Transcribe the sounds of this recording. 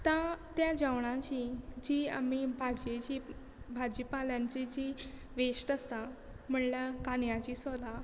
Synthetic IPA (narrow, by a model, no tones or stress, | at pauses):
t̪ãt̪jad͡ʑaʋɳãt͡ɕid͡ʑiːa̰mibʱad͡ʑet͡ɕi | bʱad͡ʑipaljãɲt͡ɕid͡ʑi | ʋeʂʈəst̪a | m̤əɳləkanjat͡ɕiːsɔla